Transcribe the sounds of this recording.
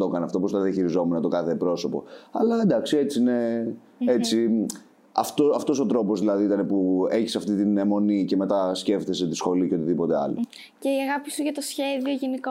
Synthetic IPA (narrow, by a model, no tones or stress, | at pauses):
t̪o̞kɐneɐft̪opost̪ɐðiɐçiɾizo̞munɐt̪o̞kɐθe̞pɾo̞so̞po̞̰ɐlɐend̪ɐksie̞t͡sine̞ | et͡si | ɐ̰ft̪oɐft̪o̞so̞t̪ɾo̞po̞zðilɐðiit̪ɐne̞pue̞çisɐft̪it̪inemo̞nice̞me̞t̪ɐsce̞ft̪e̞s̬e̞t̪isxo̞liceo̞t̪iðipo̞t̪eɐ̰lo | ceiɐɣɐpisuʝɐt̪osçe̞ðioʝiniko